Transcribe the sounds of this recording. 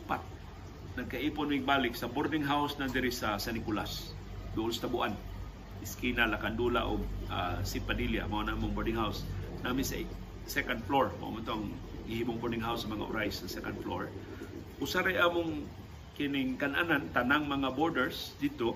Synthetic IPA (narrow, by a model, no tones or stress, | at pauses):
pat̪̚ | naɡ̚kaʔiːpʊnmiɪɡ̚baːlɪksaboɾnɪŋɦawsnad̪ɪɾɪsasanɪkulas | d̪ʊʔʊnsat̪abʊʔan | ɪskinalakand̪ula̰ʔʊ̰ɡ̚a̰sipad̪ilja̰maanamʊŋboɹdɪŋɦawsnʔamɪnsa̰ | sɛkand̪̚floɹma̰ʔa̰mʊnt̪oŋ | ɡɪhiːmʊŋboɾnɪŋɦawsːɐmaŋa̰ʔʊ̰ɾaɪsːasɛkand̪flo̰ɹ | ʔʊsaɾajʔaːmʊŋ | kɪnɪŋkanʔa̰nant̪anaŋmaŋaboɾdɛɹsd̪ɪd̪̚t̪o